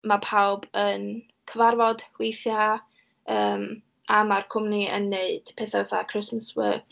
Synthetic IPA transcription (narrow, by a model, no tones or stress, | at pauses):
mapʰawbən | kʰəvarvɔd̥wejθja | əːm | amarkʰʊmniə̰nːeɨd̥pʰeːθavɛθakʰr̥ɪsməswə̰ɡ̥